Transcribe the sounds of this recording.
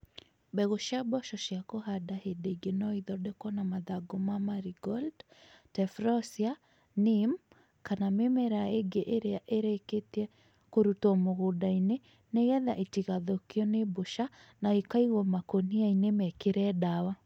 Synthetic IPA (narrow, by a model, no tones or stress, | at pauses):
bɛɣoʃjabɔʃɔʃjakoɦadahedeiɡenɔiðɔdekwɔnamaðaɡomamaɾiɡɔldtɛfɾɔsia | nim | kanamemɛɾaeɡeʔeɾeaʔeɾeketiɛ | koɾutɔmoɣodaine | neɣɛðaʔitiɣaðokiɔneboʃanaikaiɣɔmakoniainemɛkeɾɛdawa